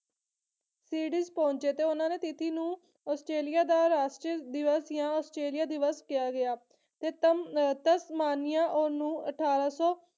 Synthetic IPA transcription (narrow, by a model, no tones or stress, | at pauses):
siːɖiːzpɔ̃ːɲt͡ʃeːt̪eːʊnãːneːt̪ɪt̪ʰiːnũː | ɔːsʈɾeːlɪjaːd̪aːɾaːsʈɾid̪ɪʋəsjãːɔːsʈɾeːlɪjaːd̪ɪʋəskɪjaːɡɪjaː | t̪eːt̪t̪əsmaːnɪjãːʔonũːə̰ʈʰaːɾaːsɔː